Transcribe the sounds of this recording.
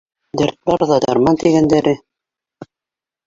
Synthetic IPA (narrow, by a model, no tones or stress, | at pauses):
d̪æɾt̪̚bɑɾðɑd̪ɑɾmɑnt̪iɡænd̪æɾɘ